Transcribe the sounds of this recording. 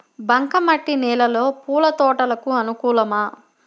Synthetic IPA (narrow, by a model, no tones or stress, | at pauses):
bɐŋkɐmɐʈːinɛːlɐlo̞ːpuːlɐt̪ɔːʈɐlɐkuɐnukuːlɐmɐ